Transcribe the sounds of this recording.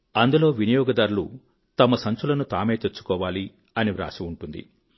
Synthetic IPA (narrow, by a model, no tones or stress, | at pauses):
ɐnd̪ulo̞ːʋinɐjɔːɡɐd̪aːɾulu | t̪ɐmɐsɐɲt͡ʃulɐnut̪aːme̞ːt̪et͡ʃːu̥kɔːʋaːli | ɐniʋɾa̰ːsiuɳʈund̪ḭ